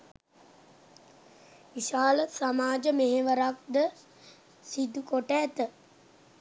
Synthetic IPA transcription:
ʋiʃaːləsamaːd͡ʒəmeɦeʋəɾak̚d̪ə | sid̪ukoʈæːt̪ə

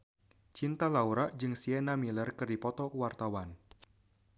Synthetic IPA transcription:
t͡ʃint̪alauɾaʔd͡ʒɨŋsiɛnamilərkɨrdipɔt̪ɔkuwart̪awan

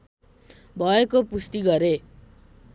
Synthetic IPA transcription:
bʱʌekopust̪iɡʌɾe

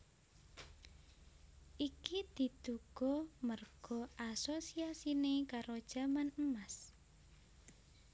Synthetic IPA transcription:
ʔikid̪̥i̤t̪uɡ̥ɔmərɡ̥ɔʔasosiasinekaɾod̥ʒ̥a̤manəmas

